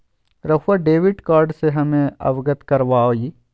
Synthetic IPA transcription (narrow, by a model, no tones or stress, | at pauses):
ɾɐfaɖeːʋɪɖkaːɾɖseɦɐmẽɐ̰ʋɡət̪kɐɾʋaːoːiː